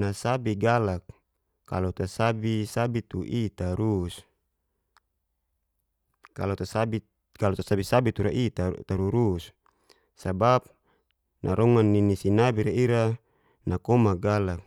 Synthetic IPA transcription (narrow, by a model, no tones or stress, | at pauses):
nasabiɡalakː | a̰lot̪asabisabit̪uʔit̪aɾus | kalot̪asabi | kalot̪asabisabit̪uɾaʔit̪at̪aɾuɾus | sabap̚ | nʔa̰ɾɔŋanːinisinabiɾeiɾa | nakɔmaɡalak̚